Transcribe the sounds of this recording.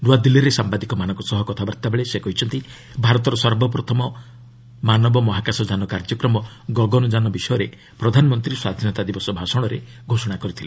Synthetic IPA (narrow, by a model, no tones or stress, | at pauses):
ɾuad̪ilːiɾesambad̪ikɔmanɔ̃ŋkɔsɔɦɔkɔt̪ʰabaɾt̪abeɭesekɔɦit͡ʃʰɔnt̪i | bʱaɾɔt̪ɔɾɔsɔɾbɔpɾɔt̪ʰɔmɔ | manɔbɔmɔɦakasɔd͡ʒanɔkaɾd͡ʒɔkɾɔmɔ | ɡɔɡɔnɔd͡ʒanɔbisɔjɔɾe | pɾɔd̪ʱanɔmɔnt̪ɾiswad̪ʱinɔt̪ad̪ibɔsɔbʱasɔɽ̃ɔɾe | ɡʱosɔɽ̃akɔɾit̪ʰile